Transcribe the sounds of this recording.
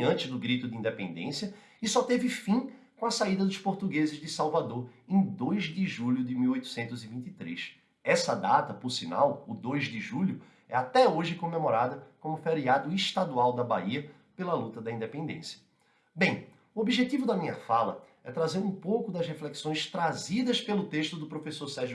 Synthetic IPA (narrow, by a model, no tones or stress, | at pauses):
ɐ̃t͡ʃ̪ɪzd̪ʊɡɾit̪ʊd̪ɪĩnd̪epẽnd̪ḛ̃sjɐ | isɔt̪evɪfĩkõɐsaid̪ɐd̪ʊʃpoɾt̪uɡezɪzd̪ɪsawvad̪oɾẽj̃d̪ojzd̪ɪʒuʎʊd̪ɪmiwojt̪ʊ̥sẽnt̪ʊzɪvĩnt̪it̪ɾes | ɛsɐd̪at̪ɐpʊɾsina̰wʊd̪ojzd̪ɪʒuʎʊ | ɛ̰at̪ɛoʒɪkõmẽmoɾad̪ɐkõmʊfeɾiad̪ʊiʃt̪ad̪uawd̪ɐba̰iɐ | pelɐlut̪ɐd̪ɐĩnd̪epẽnd̪ḛ̃sjɐ̥ | bẽj̃ | ʊobiʒet̪ivʊd̪ɐmĩɲɐfalɐɛt̪ɾazeɾũpowkʊd̪ɐshefleksõj̃st̪ɾazid̪ɐspelʊt̪eʃt̪ʊd̪ʊpɾofesoɾsɛɾʒʊ